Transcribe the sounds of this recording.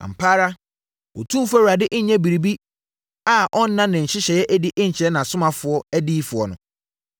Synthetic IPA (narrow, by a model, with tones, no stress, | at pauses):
a̰˨m̩˨pʰaː˦ɾa˦ | ɔ̰˨tʰũ˦fæ˦wu˨ɾa˨dɪ˦ʔɲ̩˦ɲɛ̃˦bi˨ɾi˨bi˦ | a˨ʔɔ̃˦n̩ː˦ã˦nɪ̃˨ɲ̩˨ɕɪ˦ɕɛ˨jɛ˦ʔæ˦di˦ʔɪ̃˦ɲ̩˨t͡ɕʰɪ˨ɾɛ˦nã˨sʊ˦mã˨fʊ˨ɔ˦æ˦diː˦fʊ˨ɔ˨nʊ̃˨